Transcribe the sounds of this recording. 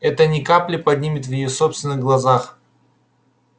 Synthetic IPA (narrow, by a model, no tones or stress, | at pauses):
ɛt̪ənʲɪkaplʲɪpɐdʲnʲimʲɪt̪vjɪjosopst̪vʲɪnɨɣɡlˠɐzax